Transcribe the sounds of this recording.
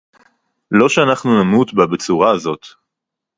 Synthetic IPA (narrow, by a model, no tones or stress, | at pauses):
lo̞ʃeanaχnunamut̪babet͡suʁaːzo̞t̪